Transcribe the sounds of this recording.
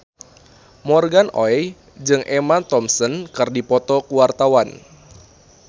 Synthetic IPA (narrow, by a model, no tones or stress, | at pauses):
mɔrɡanɔɛ | d͡ʒɨŋʔemant̪ɔmsənkɨrdipɔt̪ɔkuwart̪awan